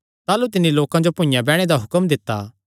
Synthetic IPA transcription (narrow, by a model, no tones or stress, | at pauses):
t̪aːlut̪ɪnːiloːkãd͡ʒopʊ̃ɪ̃jãbɛːɽ̃ed̪aɦʊkəmd̪ɪt̪ːa̰ː